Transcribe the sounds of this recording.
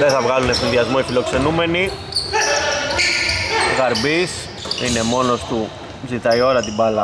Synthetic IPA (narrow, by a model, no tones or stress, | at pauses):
ðeθɐvɣɐlunesinðiɐzmo̞ifilo̞kse̞nume̞ni | ɣɐɾbis | ine̞mo̞no̞st̪u | zit̪ɐio̞ɾɐt̪ibɐlɐ